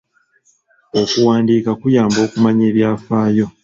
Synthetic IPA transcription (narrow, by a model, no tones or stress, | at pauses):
o̞kuwaːndiːkakujaːmbo̞ːkumaɲe̞ːβjaːfaːjo̞